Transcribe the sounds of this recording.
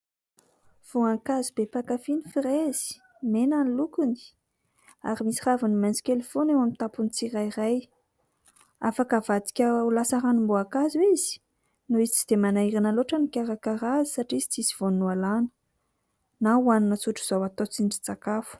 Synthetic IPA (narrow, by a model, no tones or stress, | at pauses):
v̥uaŋkazibepakafinifiɾezi̥ | menanilukuni̥ | a̰ɾimisi̥ravunimajnt͡si̥kelefonewamit̪apunit͡siɾairaj | afakavad̪i̥kʲəulasaɾanumboakazuizi̥ | nuizit͡si̥d̪̥emanaiɾinaloʈ͡ʂənikʲaɾakaɾazi̥saʈ͡ʂizi̥t͡siziv̥onnualanə̥ | nauaninət͡suʈ͡ʂuz̥awat̪ot͡sinɖ͡ʐi̥t͡sakafu̥